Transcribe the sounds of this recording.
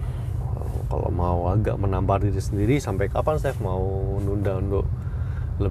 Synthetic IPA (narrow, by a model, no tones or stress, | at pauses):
ka̰lo̰mauaɡa̰ʔmənampardiɾisəndiɾisampajkapansɛfmaunundaunt̪ʊʔ | lə